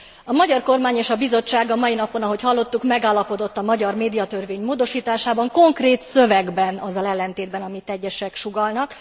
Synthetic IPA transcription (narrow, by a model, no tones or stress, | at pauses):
ɒmɒɟɒrko̞rmaːɲeːʃɒbizo̞t͡ʃːaːɡɒmɒinɒpo̞nɒɦo̞chɒlːo̞t̪ːukmɛɡaːlːɒpo̞d̪o̞t̪ːɒmɒɟɒrmeːd̪ijɒt̪ørveːɲmoːd̪o̞ʃiːt̪aːʃaːbɒŋko̞ŋkreːt̪sø̞vɛɡbɛnɒzɒlɛlːɛnt̪eːd̪bɛnɒmit̪ɛɟːɛʃɛkʃuɡɒlnɒk